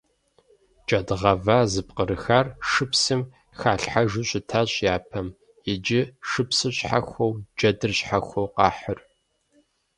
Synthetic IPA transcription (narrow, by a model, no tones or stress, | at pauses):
d͡ʒʼɐdʁɐvaːzɨp̚qəɾɨxarʂɨpsɨm | xaːɬħaʒɨɕʷʼɪtʰaɕʼjaːpʰɐm | ɪd͡ʒɪʂɨpsɨɕʼħaxʷowd͡ʒɐdɨrɕħaxʷowqɑːħər